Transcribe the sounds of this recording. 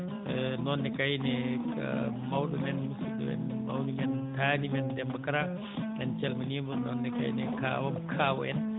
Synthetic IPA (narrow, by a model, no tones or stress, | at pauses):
nɔnːɛkajnɛ̰ | mawɗɔmɛnmusiɗɔ̰mɛ̰nma̰wnimɛntaːnimɛndɛmbakaɾa | nɛnt͡ʃɛlmanimɔnɔnːɛka̰jnɛka̰wamɔkʰaːwɔ̰ʔɛn